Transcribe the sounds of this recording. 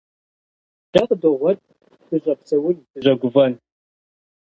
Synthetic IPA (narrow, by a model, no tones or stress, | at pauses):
d̥ɐqdoʁʷɔt̚ʼ | dɨʑʼɐpsɐwʊnd̥ɨʑɐɡʷʊvɐn